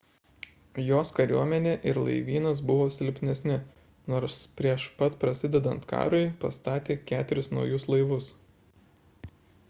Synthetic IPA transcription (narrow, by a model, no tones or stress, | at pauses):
joːskɐɾʲuɔmʲɛnʲeːʔɪɾlˠɐ̰ɪʋʲiːnɐs̬bʊʋoːsʲɪlʲpʲnʲɛsʲnʲɪ | noːɾspʲɾʲiɛʃpɐt̪pɾɐsʲɪd̪ʲɛd̪ɐnt̪kɑ̰ːɾʊɪpɐst̪ɑːt̪ʲeːkʲæːt̪ʲʊɾʲɪsnɒ̰ʊjʊslˠɐɪʋʊs